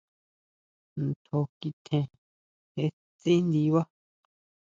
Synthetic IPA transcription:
n˨t̪ʰo˧ki˧t̪ʰẽ˧ | he˧ | t͡sĩ˦nd̪i˧˦βa˦

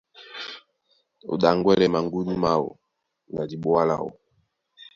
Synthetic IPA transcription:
o̰˨ɗa˨ŋɡwɛ˦lɛ˨ma˨ŋɡu˦ni˦ma˦wo̰˨ | na˨di˨ɓwa˦la̰˨wo̰˨

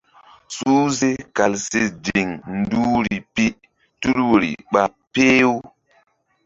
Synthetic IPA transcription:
su˦ze˦ka˨lse˦d͡ʒi˨ŋn˦du˦ɾi˨pi˦ | tu˦lwɾḭ˨ɓa˨ | peː˦w

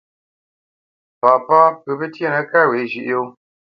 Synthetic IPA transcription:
pa˨pa˦pə˨pə˦tje˦˨nə˨˦ka˦˨we˨˦ʒi˨ʔo˦

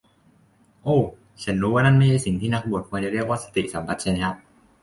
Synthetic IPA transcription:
ʔoː˧˩ | t͡ɕʰa˦˥nɾuː˦˥waː˥˩na˥˩nma˥˩jt͡ɕʰa˧˥˩si˨˩ŋt̪ʰiː˥˩na˦˥k̚bu˨˩t̪̚kʰu˧nt͡ɕa˨˩ɾi˥˩ək̚waː˥˩sḁ˧t̪ḭ˨˩ʔsa˩˦mba˨˧˥t̪̚t͡ɕʰa˥˩na˦˥a˦˧˥

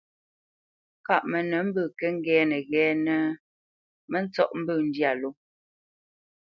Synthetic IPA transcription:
ka˦˨ʔmə˨nə˨˦m̩˦bəː˨kɛ˦ŋ̩˦ɡɛː˨˦nə˨ɣɛː˨˦nə˦ | mə˦n˦t͡sɔ˦˨ʔm̩˦bəː˦˨n̩˦dja˨lo˨˦

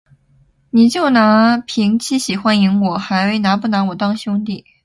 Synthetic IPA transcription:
ni˨˩t͡ɕjo˥˩ʊna˧˥pʰi˧˥ŋt͡ɕʰi˥ɕi˨˩xwa˥ni˧˥ŋwɔ˨˩xa˧˥ɪwe˥˩ɪna˧˥pu˥˩na˧˥wɔ˨˩t̪ɑ˥˧ŋɕjʊ˥ŋt̪̬i˥˩

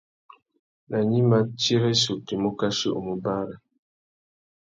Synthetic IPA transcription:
na˨ɲi˦ma˦ti˦ɾɛ˦su˨ti˨mo˦ka˦ʃṵ˦ʔmu˨ba˦ɾa˨

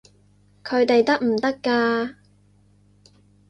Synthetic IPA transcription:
kʰɵ˨˧ɥt̪e˨jt̪ɐ˥k̚m̩˨˩t̪ɐ˥kːaː˧

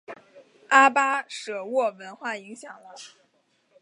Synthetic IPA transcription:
a˥pa˥ʂɤ˨˩wɔ˥˩wə˧˥nxwa˥˩i˧˥ŋɕjɑ˨˩ŋlə˦

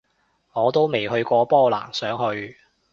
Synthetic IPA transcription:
ŋɔː˨˧t̪o˥wme˨jhɵ˧ɥkʷɔː˧pɔː˥˩la̰ː˨˩nsœː˨˥ŋhɵ˧ɥ

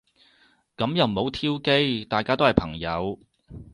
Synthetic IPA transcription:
kɐ˨˥mjɐ˨wmo˨˧wt̪ʰiː˥wke˥jt̪aː˨jkaː˥t̪o˥whɐ˨jpʰɐ˨˩ŋjɐ˨˧w

